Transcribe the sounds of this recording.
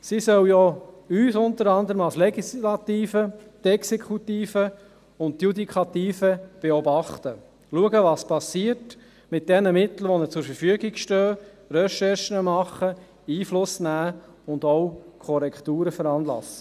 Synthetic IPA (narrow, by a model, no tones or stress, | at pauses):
sisœwjɔyːsʊntəɾɑnd̪əɾəmɑlslɛɡislɑt̪iːfət̪ɛksekχutiːfə | ʊntjud̪ikʰɑt̪iːfəb̥eɔbɑχt̪ə | luəɡəʋɑspɑsiːət | mɪt̚d̥ɛnəmɪt̪l̩ʋɔnət͡sʊɾfəɾfyəɡiɡ̥ʃtœː | ɾœʃɛɾʃənəmɑχːə | iːflʊsnæː | ʊnd̪ɔwkʰɔɾɛkt̪uːɾəfəɾɑnlɑ̰sə̥